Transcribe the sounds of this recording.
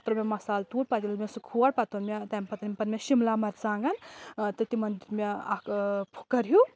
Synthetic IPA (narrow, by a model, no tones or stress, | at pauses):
t̪ɾɐmʲemɐsaːlt̪uːɽ̚pat̪ilɐlmʲesukʰuɐɽpɐt̪onmʲet̪ampɐt̪ɐnimpɐnmʲeʃimlamɐɾt͡saːŋɡɐnt̪ɨt̪imɐnd̪iɾmeakpʰu̥kːɐɾju